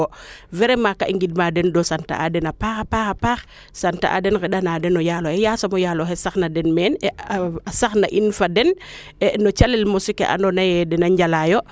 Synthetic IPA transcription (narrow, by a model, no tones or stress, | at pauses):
vɛɾɛmakaʔiŋɡid̚madɛndɔsanta̰ʔa̰dɛnapaːxapaːxapaːx | santa̰ʔa̰dɛnkɛɗanadɛnɔjalɔhɛjaːsamɔjaloɦɛsaxnadɛnmɛːnɛasaxna̰ʔinfadɛn | ɛnɔt͡ʃalɛlmɔsikḛʔa̰ndɔnajɛdɛnaɲɟalajɔ